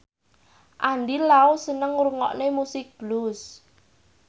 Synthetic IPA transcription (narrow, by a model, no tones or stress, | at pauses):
ʔanɖilausənəŋuɾŋɔ̰ʔnemusɪk̚b̥lus